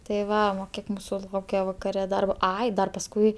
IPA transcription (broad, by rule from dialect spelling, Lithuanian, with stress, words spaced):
tɐɪ ˈʋɐ oː ˈkʲiɛk ˈmuːsʊ ˈlˠɐʊkʲɛ ʋɐkɐˈrʲɛ ˈdɐrboː ˈɐɪ dɐr pɐsˈkʊɪ